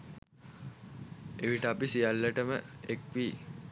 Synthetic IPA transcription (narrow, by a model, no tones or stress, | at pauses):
eʋiʈəapisijalːəʈəmə̰ekʋiː